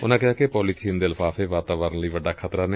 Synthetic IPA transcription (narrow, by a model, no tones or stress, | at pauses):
ʊnãːkɪɦaːkepɔːliːt̪ʰiːnd̪eːlfaːfeːʋaːt̪aːʋəɾənləiːʋəɖːaːkʰət̪ɾaːneː